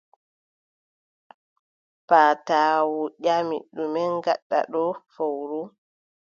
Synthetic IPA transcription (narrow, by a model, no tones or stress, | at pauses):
paːtaːwuɗamḭɗːumɛnɡa̰ɗːa̰ɗɔfowɾu